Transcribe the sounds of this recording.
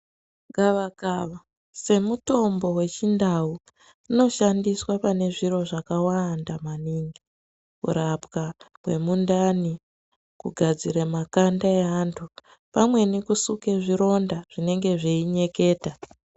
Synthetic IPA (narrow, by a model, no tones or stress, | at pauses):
ɡaʋakaʋa | se̞muto̞mbo̞we̞t͡ʃindawu | uno̞ʃandiswapane̞ʐiro̞ʐakawandamaniŋɡi | kṵɾapkakwe̞̰mundani | kuɡʱad͡ziɾemakandaeantʰu | pamwe̞nikusuke̞ʐiɾo̞ndaʐ̥ine̞ŋɡe̞ʐeiɲe̞ke̞ːta